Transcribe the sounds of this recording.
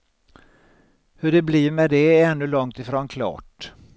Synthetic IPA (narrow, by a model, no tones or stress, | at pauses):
hɵɖɛbliːɾmɛd̪ɛɛnːɵlɔŋt̪ɪfɾoːnkʰlɑ̰ːʈ